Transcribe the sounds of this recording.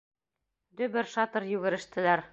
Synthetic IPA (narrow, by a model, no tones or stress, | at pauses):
d̪ɵbɘɾʃɑt̪ɤɾjʉɡɘ̆ɾɘ̆ʃt̪ɘ̆læɾ